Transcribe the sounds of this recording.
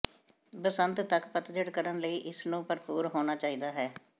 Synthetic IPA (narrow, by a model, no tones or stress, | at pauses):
bəsənt̪t̪əkpət̪d͡ʒɪɽkəɾənləiːʔɪsnũːpəɾpuːɾɦoːnaːt͡ʃaːiːd̪aːɦɛː